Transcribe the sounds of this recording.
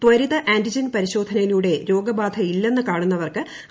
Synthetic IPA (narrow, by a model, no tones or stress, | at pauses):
t̪wɐɾiðɐʔeːndid͡ʑɐnpɐɾiɕo̞ːd̪ʱɐnɐjiluːɽe̞ɾo̞ːɡɐbaːd̪ʱɐilːe̞nːɨkaːɳunːɐʋɐrkɨ